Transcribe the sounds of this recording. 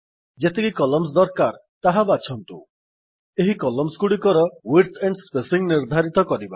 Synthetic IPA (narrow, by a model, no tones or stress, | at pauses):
d͡ʒet̪ekikɔlɔms̬d̪ɔɾkaɾt̪aɦabat͡ʃʰɔnt̪u | eɦikɔlɔmskuɽikɔɾɔwiɾt̪ʰeɳɖspesiŋniɾd̪ʱaɾit̪ɔkɔɾiba